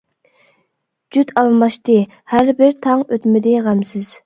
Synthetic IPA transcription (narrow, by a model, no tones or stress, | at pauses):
d͡ʒyt̪ɑlˠmɑʃt̪ɨ | hæɾbɪɾt̪ʰɑŋøt̪mɪd̪ɪʁæmsɪz̥